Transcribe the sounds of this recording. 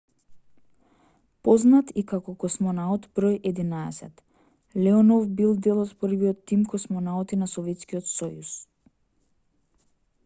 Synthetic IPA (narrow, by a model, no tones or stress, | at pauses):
pɔznat̪ikakɔkɔsmɔnaɔt̪bɾɔjʔɛd̪inaɛ̰sɛt̪ | lɛɔnɔvbilˠd̪ɛlˠɔt̪pəɾviɔt̪ːimkɔsmɔnaɔt̪inasɔvɛt̪skiɔt̪sɔjus